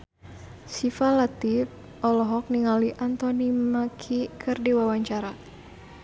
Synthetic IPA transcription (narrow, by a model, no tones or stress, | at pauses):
sifalat̪if | ɔlɔɦɔk̚niŋaliʔant̪ɔnimakʰikʰɨrdiwawaɲt͡ʃaɾa